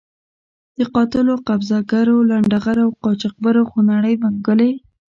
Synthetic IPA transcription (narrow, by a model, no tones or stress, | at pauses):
d̪̥əqɑt̪ɪloqabzaɡaɾolaɳɖaɣaɾawqɑt͡ʃɑq̚baɾaxonaɽəjmaŋɡəle